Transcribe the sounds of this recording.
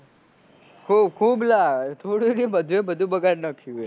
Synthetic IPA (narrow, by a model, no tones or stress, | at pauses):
kʰuːbkʰuːblat̪ʰoɽiɾiməd̪ʱʋebəd̪ʱũbəɡaɾnəkʰue